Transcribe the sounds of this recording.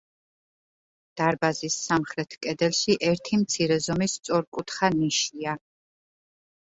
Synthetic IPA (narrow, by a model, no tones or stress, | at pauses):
d̪̥aɾbazisːamχɾɛt̪ʰkʼɛd̪ɛlʃiʔɛɾt̪ʰimt̪sʰiɾɛzɔmist̪sʼɔɾkʼut̪ʰχaniʃia